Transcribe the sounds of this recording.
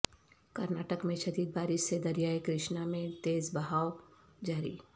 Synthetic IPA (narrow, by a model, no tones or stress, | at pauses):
kɐɾnaːʈəkmẽʃɐd̪iːd̪̚baːɾɪʃsed̪ɐɾijaːekɾɪʃnamẽt̪eːzbɐɦaːo | d͡ʒaːɾḭː